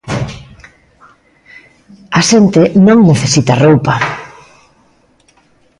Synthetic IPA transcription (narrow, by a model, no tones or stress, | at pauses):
aʃent̪enõŋneθesit̪ɐrowpa